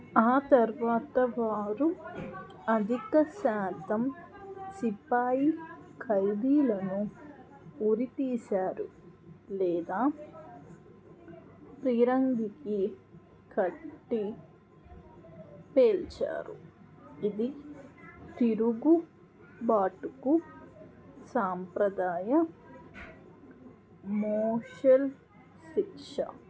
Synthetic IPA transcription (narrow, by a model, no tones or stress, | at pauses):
aːt̪ɐɾʋaːt̪ɐʋaːɾu | ɐd̪ʱikɐsaːt̪ɐm | sipaːjikʰɐjd̪iːlɐnu | uɾit̪iːsaːɾṵlɛːd̪aː | pɾiːɾɐŋɡiki | kʰɐʈːi | peːlt͡ʃa̰ːɾṵ | id̪i | t̪iɾuɡu | baːʈuku | saːmpɾɐd̪aːjɐ | moːʂɐl | sikʂɐ̰